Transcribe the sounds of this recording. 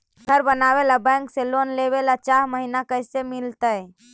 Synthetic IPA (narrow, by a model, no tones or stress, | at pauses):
ɡʱəɾbənabelabɛ̃ŋkselonleβelat͡ʃaɦməɦinakəɪsemilt̪ə